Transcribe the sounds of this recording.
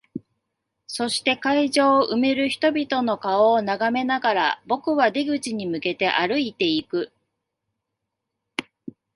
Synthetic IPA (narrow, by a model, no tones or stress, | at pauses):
so̞ɕi̥t̪e̞kaiʑo̞ːʔɯ̟me̞ɾɯ̟çi̥t̪o̞bʲit̪o̞no̞kaoːnaɡame̞naɡaɾabo̞kɯ̟βad̪eɡɯ̟t͡ɕiɲ̟imɯ̟ke̞t̪e̞ʔaɾɯ̟it̪e̞ikɯ̟